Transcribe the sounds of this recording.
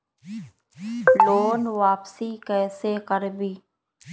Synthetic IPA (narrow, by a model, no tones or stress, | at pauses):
loːnʋaːpsiːkɛːseːkəɾbiː